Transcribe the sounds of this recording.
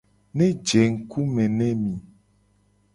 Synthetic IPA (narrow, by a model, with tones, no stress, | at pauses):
nẽ˦d͡ʒe˨ŋ̩˨ku˦mẽ˨nɛ˦mĩ˨